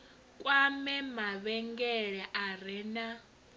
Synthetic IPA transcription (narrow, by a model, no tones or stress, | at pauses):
kʼwamɛmaβɛŋɡɛɺɛʔaɾɛna